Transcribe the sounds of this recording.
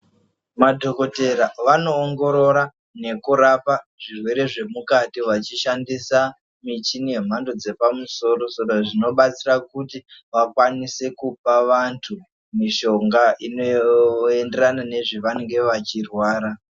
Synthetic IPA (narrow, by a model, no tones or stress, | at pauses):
madʱo̞ko̞te̞ɾaʋano̞ːŋɡo̞ɾo̞ɾa | ne̞kuɾapaʐirwe̞ɾe̞ʐe̞mukatiwat͡ʃiʃandisa | mit͡ʃinie̞m̤ando̞d͡ze̞pamuso̞ːɾo̞soɾoʐino̞ɓat͡sirakutiʋakwanise̞kup̚aʋantʰu | miʃo̞ŋɡaʔinoende̞ranane̞ʐiʋaneŋɡe̞ʋat͡ʃirwaːɾa